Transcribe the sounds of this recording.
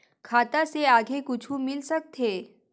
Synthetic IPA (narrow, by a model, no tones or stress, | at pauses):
kʰaːt̪aseaːɡʱekʊt͡ʃʰũmɪlsək̚t̪ʰeː